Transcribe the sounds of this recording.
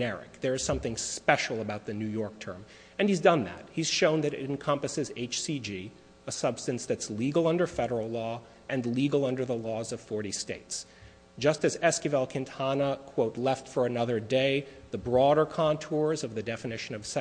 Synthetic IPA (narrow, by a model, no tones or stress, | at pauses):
ɛɹɨ̰k̚ðə˞ɨz̥sʌ̃mθɪ̃ŋspɛʃl̩ˠəbaʊt̪̚ðɨnʉjɔɹk̚tʰɜ̃˞m | ɨ̃nizdʌ̃nðæ̰t̚hiz̥ʃõʊ̃nðɨɾɨ̰ɨ̃n̩kʰʌ̃mpɨsɨzeɪt͡ʃsid͡ʒi | əsʌb̥stɨ̃nsðɨtsliɡl̩ˠʌ̃ndə˞fɛɾə˞l̩ˠlɔ | ʔɨ̃nliɡl̩ˠʌ̃ndə˞ðəlɔzʌv̥fɔɹɾisteɪts | d̥ʒ̥ʌstɨzɛskɨvɛlˠkʰɨ̃ntʰɑnəkʰw̥oʊtˡlɛftfə˞ɨnʌðə˞deɪðɨbɹɔɾə˞kʰɑ̃ntʰɔɹzʌvðɨdɛfɨnɪʃɨ̃nʌv̥s